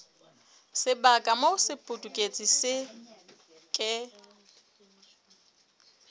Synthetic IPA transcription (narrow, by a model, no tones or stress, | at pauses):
sɪbakʼamoʊsɪpʼʊtʼukʼet͡sʼisɪ | kʼɪ